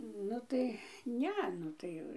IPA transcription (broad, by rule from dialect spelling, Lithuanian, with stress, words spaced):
ˈnʊ tɐɪ ˈnʲɛ ˈnʊ tɐɪ